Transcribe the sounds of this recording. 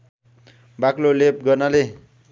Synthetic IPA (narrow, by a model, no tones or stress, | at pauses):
baklolep̚ɡʌrnale